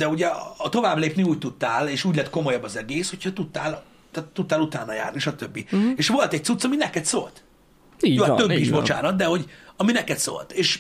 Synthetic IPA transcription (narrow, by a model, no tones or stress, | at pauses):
d̪ɛuɟɛt̪o̞vaːbleːpniuːc̚t̪ut̪ːaːleːʃuːɟlɛt̪ko̞mojɒbːɒzɛɡeːsho̞cʰhɒt̪ut̪ːaːl | t̪ɛt̪ːut̪ːaːlut̪aːnːɒja̰ːrniʃɒt̪øbːieːʃʋo̞lt̪ɛc̚t̪sut̪sɒminɛkɛt̪so̰lt̪ː | joːt̪øbːiiʃbo̞t͡ʃa̰ːnɒt̪̚d̪ɛho̞ɟɒminɛkɛt̪so̰ːlt̪eːʃ